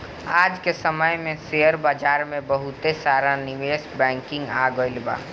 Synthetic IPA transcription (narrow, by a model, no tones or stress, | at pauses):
aːd͡ʒkesəməjmẽseːəɾbaːd͡ʒaːɾmẽbəɦʊt̪esaːɾanɪʋeːsbɛ̃ːŋkɪ̃ŋɡaːɡoɪlba̰ː